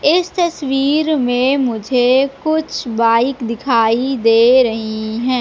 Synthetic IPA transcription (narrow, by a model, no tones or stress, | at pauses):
ɪst̪ɐswiːɾmẽmʊd͡ʒʱekʊt͡ʃʰbaːɪkd̪ɪkʰaːid̪eːɾɐɦiɦɛ̃ː